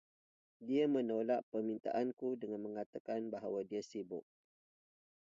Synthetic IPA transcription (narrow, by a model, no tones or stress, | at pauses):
diamə̃nolaʔpərmĩnt̪a̰ʔankudəŋãnmə̃ŋat̪akanbaɦawadiasibʊʔ̚